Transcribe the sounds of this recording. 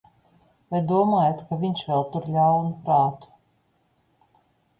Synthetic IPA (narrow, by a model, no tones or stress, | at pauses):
vajd̪uɔmaːjat̪kavʲiɲʃvɛlˠt̪uɾlʲawnupɾaːt̪u̥